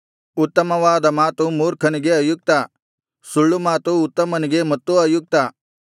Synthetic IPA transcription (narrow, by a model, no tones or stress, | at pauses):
ut̪ːɐmɐʋaːd̪ɐmaːt̪umuːɾkʰɐniɡeɐjuk̚t̪a | suɭːumaːt̪uːt̪ːɐmɐniɡemɐt̪ːuɐjuk̚t̪a